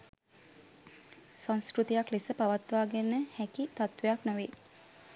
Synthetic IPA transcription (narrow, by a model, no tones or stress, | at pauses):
sãnskɾut̪ijaklisəpaʋat̪ʋaːɡenəhækit̪at̪ʋejaknəʋe